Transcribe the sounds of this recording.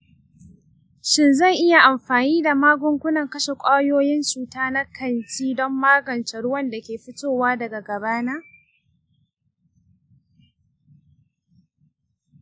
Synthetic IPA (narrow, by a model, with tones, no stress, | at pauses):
ʃɪ˦nzɐ˦˨ŋʔɪ˦ja˨ʔa˨mɸaː˨niː˦da˨maː˦ɡʷʊ˦ŋkʷʊ˦nɐ˨ŋkɐ˦ʃe˨kʷʼaː˦joː˦jɪ˦nt͡ʃuː˨taː˦na˦kʰɐ˦nt͡ʃiː˦dɔ˦mːaː˦ɡɐ˨nt͡ʃɛ˨ɽʊ˦wɐ˦˨nda˨kʲeː˨ɸɪ˦tʼoː˦˨waː˦dɐ˨ɡa˨ɡɐ˨baː˦naː˦